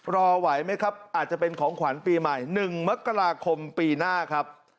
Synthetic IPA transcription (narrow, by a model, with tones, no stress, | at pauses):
ɾɔː˧wa˩˦jma˦˥jkʰa˦˥p̚ʔaː˨˩t̪̚t͡ɕa˨˩pe˧nkʰɔː˩˦ŋkʰwa˩˦npiː˧ma˨˩jnɯ˨˩ŋma˦˥kːa˧ɾaː˧kʰo˧mpiː˧naː˥˩kʰa˦˥p̚